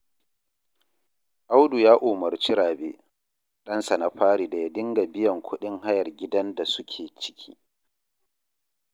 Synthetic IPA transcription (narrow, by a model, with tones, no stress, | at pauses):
ʔa˦wdu˨jaː˦ʔoː˨mɐ˨rt͡ʃi˦ɽaː˨beː˦ | ɗɐ˦nsa˨na˦ɸaː˦ɽiː˨da˨ja˦dɪ˦ŋɡa˨bɪ˦jɐ˨ŋkʷʰʊ˦ɗɪ˦ŋha˦jɐ˨rɡʲɪ˦dɐ˦nda˨sʊ˦kʲʰeː˨t͡ʃɪ̥˦kʲʰḭː˦